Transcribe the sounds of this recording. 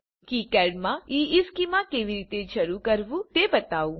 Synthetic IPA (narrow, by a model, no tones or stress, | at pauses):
kikɛːɖmãiːɪskimãkeːʋiɾiːt̪eʃɐɾukɐɾʋũt̪ebɐt̪aːu